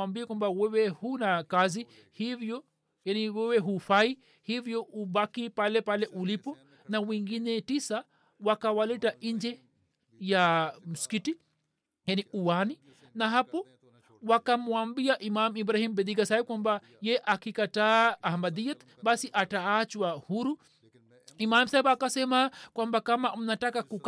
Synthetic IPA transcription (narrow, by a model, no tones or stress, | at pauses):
ambiakwambawɛwɛhunakazi | hivjɔ | janiwɛwɛɦufai | hivjɔubakipalɛpalɛʔulipɔ | nawiŋɡinɛtisa | wakawalɛtaʔiɲd͡ʒɛ | jamuskiti | janiʔuwani | naɦapɔ | wakamuambiaʔimamibɾahimbɛd̪iɡasaikwamba | jɛʔakikataːhmad̪iɛt̪ | basiʔataat͡ʃwahuɾu | imam̩saɛbaːkasɛmakwambakamam̩natakakuk